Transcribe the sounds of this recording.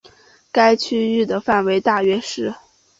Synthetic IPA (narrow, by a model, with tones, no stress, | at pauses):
ka˥ɪt͡ɕʰy˥y˥˩d̪ə˩fa˥˩nwe˧˥ɪt̪a˥˩ɥɛ˥ʂɻ̩˥˩